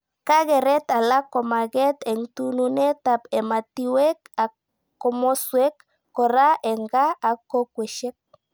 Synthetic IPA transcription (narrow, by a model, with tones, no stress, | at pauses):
ka˦ɣe˨ɾe˦t̪a˨la˦ko˨ma˨ɣe˦t̪e˨ŋt̪u˦nune˦t̪apema˨t̪iweka˨ | o˨mo˦sue˦kː | o˨ɾa˦ʔe˨ŋɡaː˦˨ko˦kwe˨ʃe˦k̚